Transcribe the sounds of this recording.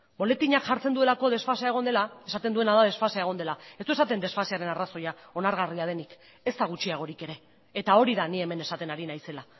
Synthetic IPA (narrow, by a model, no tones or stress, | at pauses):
bo̞le̞t̪iɲakʝaɾt͡se̞nd̪ue̞lako̞ðe̞sfasae̞ɣ̞o̞nd̪e̞lae̞sat̪end̪ue̞naðaðe̞sfasae̞ɣ̞o̞nd̪e̞laet̪uesat̪e̞nd̪e̞sfaseaɾe̞naraso̞jao̞naɾɣ̞ariaðe̞nik | e̞st̪aɣ̞ut͡ʃiaɣ̞o̞ɾike̞ɾe̞ː | t̪ao̞ɾiðanie̞me̞ne̞sat̪e̞naɾinajse̞la